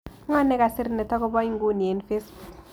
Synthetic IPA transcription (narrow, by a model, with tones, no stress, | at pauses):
ŋɔ˦nɛ˦ka˨sɪ˦ɾnɛ˨t̪ɔ˦kɔ˦bɔ˦ɲ˦ŋ˦ɡu˦ni˨e˨nfe˦sbu˨k